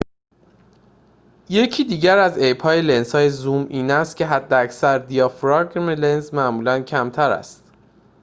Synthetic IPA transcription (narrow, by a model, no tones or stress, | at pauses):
je̞cʰiːd̪iːɟæɾæzejphɒːjele̞nsɒːje̞zuːmiːnæst̪̚cʰe̞ɦæd̪ːeæcsæɾd̪ijɒːfɾɒɡmelenzmæʔmuːlæncʰæmt̪ʰæɾæ̰st̪